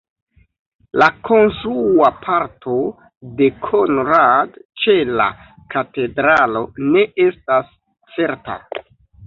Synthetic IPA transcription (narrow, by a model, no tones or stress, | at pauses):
lakʰo̞nsɾuapʰaɾtʰo̞ | de̞kʰonɾadt͡ʃe̞la̰ | kate̞dɾalo̞ne̞ʔe̞stas | t͡se̞ɾta̰